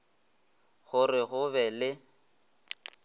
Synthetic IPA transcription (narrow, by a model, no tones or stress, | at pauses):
ɣʊrɪɣʊβɛlɪ